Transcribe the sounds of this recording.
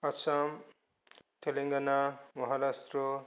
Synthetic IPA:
ʌsam | t̪ʰeleŋɡanamʌɦaɾast̪ro

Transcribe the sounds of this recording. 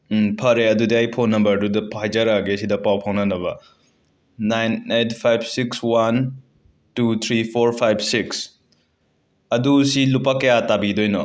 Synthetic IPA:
pʰɐɾeɐdudiajpʰonːɐmbɐɾdudɐpʰajd͡ʒɐɾaɡeɐsidɐpawpʰɐŋnɐnɐβɐ̰ | najnet̚ʰpʰajb̚sikswan | tut̪ʰɾipʰoɾpʰajbsiks | ɐdusilupakɐjatabidojnɔ

